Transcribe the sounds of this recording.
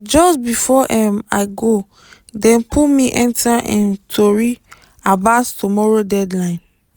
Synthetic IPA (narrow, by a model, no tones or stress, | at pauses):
d͡ʒɔsbifɔʔɛmaɪɡo | dɛ̃npʰumiʔɛ̃ntʰaʔɛ̃ntʰoɹi | abastumɔɹodɛdlãɪ̃n